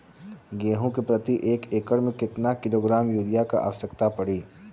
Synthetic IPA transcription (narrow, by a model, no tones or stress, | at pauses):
ɡeːɦõkepɾɐt̪iʔeːkeːkəɽmẽkɪt̪nakɪloːɡɾaːmjuːlɪjaka̰ʔa̰ːʋsəkt̪apɐɽiː